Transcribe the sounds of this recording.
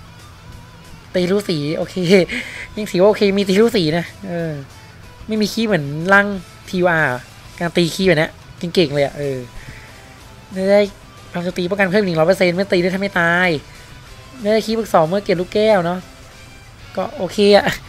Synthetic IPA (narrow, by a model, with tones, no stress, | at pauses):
t̪iː˧ɾuː˦˥˩siː˩˦ʔoː˧kʰeː˧ja˧˥˩ŋsʰiː˨˦wa˥˨ʔːkʰeː˧miː˧t̪iː˧ɾuː˦˥siː˩˦na˦˥ʔɤː˧ | ma˥˩jmiː˧kʰiː˧˥˩mɯ˩˦ənla˥˩ŋ | t̪ʰiː˧u˧ʔaː˧˩˨ | kaː˧nt̪iː˧kʰiː˧˩pa˨˩jna˦˥ʔ | ke˧ŋke˨˩ŋlɤː˧ja̰˨˩ʔɤː˧˩ | daː˥˩jdaː˥˩j | pʰa˧t͡ɕo˨˩t̪iː˧ɔ˥˩ka˧pʰːlɔ˨˦pɤ˧se˧nm˥˩˨t̪iː˧˥˩t̪ʰma˥˩t̪aː˧j | ma˥˩˨da˥˩kʰiː˧˩bɯː˧˩k̚sɔː˨˩˦wmɯ˥˩əke˨˩p̚luː˥˩kkɛː˥˩wnɔ˦˥ | kɔː˥˩ʔoː˧kʰeː˧a˨˩ʔ